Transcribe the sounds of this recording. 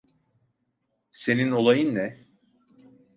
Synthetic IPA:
se̞nino̞lˠajɯnːɛ

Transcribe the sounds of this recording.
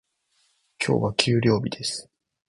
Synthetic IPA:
kʲo̞ːβakʲʰɨːɾʲo̞ːbʲid̪e̞sɨ̥

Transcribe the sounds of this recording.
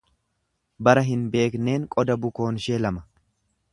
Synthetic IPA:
bɐɾɐɦɪnbe̞ːkne̞ːŋkʼɔd̪ɐbʊko̞ːnʃeːlɐmɐ̥

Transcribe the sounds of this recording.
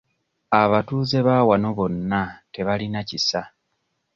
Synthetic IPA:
aβatuːze̞βawano̞βo̞nːate̞βalinacisa

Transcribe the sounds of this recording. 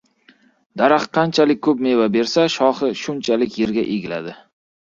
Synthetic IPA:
d̪̥aɾɑχqʰɑnt͡ʃʰalɪkʲːʰɵp̚me̞vabe̞ɾsaʃɒχɪʃʊnt͡ʃʰalɪkʲje̞ɾɡʲaʔeɡʲɪla̰d̪ɪ

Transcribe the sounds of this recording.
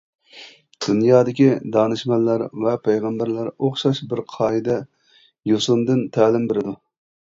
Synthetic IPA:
d̪̥unjɑːd̪ɪkʲid̪ɑnɨʃmɛlːæɾvɛpʰɛjʁæmbæɾlæɾoχʃɑʃbɪɾqʰɑːid̪ɛ | josʊnd̪ɨnt̪ʰæːlɪmbeɾɪd̪u

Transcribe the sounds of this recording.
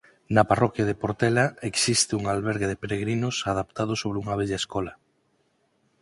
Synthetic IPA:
nɐparɔkjaðepoɾt̪ɛlaeksist̪ɪuŋalβɛɾɣeðɪpeɾeɣɾinʊsaðap̚t̪að̞ʊsoβ̞ɾuŋaβ̞ɛʎaeskɔlɐ

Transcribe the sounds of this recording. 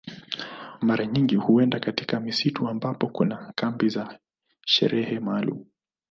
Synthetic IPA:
maɾaɲiŋɡihuɛndakatikamisituambapɔkunakambiza | ʃɛ̰ɾʔɛhɛmaːlṵmu

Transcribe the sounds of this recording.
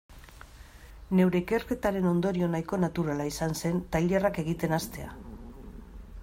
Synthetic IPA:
ne̞wɾe̞ike̞rke̞t̪aɾe̞no̞nd̪o̞ɾio̞najko̞nat̪uɾalaisanse̞nt̪ajʎerake̞ɣit̪e̞nast̪e̞a̰

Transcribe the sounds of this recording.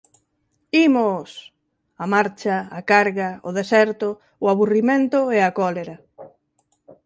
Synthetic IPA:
imʊs | amaɾt͡ʃaːkaɾɣaʊ̰ðesɛɾt̪ʊː | aβurimẽnt̪ʊeakɔleɾɐ

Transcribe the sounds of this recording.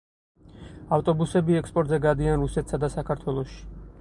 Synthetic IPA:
aft̪ʼɔbusɛbiɛkspʼɔɾt̪ʼzɛɡad̪ianɾusɛt̪ʰsad̪asakʰaɾt̪ʰwɛlˠɔʃi̥

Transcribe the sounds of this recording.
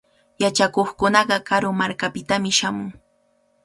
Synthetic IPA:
jat͡ʃakoχkʊnɑɢɑkaɾomaɾkapɪt̪amɪʃamʊŋ

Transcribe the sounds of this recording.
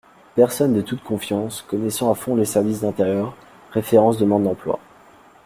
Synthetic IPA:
pɛʁsɔnd̪ət̪ut̪̚kʰɔ̃fjɑ̃skɔnɛsɑ̃afɔ̃lesɛʁvisd̪ɛ̃t̪eʁjœʁ | ʁefeʁɑ̃sd̪əmɑ̃d̪ɑ̃plwa̰

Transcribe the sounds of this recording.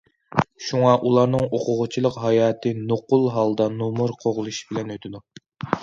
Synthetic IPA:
ʃuŋɑʔulˠɑɾnɨŋoqʰʊʁʊt͡ʃʰilˠəqɦɑjɑːt̪ʰɨnoqulˠɦɑlˠd̪ɑnomuɾqʰoʁlˠuʃbɪlɛnøt̪ʰɪd̪u

